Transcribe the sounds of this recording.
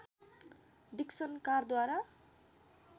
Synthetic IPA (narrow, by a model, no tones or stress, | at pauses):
ɖiksʌnkard̪waɾa